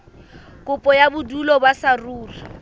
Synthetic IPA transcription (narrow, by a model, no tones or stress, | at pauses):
kʼʊpʼɔjabʊdulɔbasaruːri